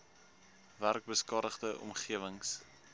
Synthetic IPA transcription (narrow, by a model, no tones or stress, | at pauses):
værk̚bəskɑːdəχdəʔɔ̰mχiəvəŋs